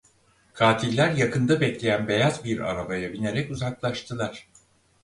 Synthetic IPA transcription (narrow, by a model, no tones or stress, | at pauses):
kʰaːt̪ʰilʲːæɾjakʰɯnd̪abɛclʲe̞jænbe̞jazbiɾa̰ɾabajabine̞ɾɛcuzaklˠaʃt̪ʰɯlˠaɾ̥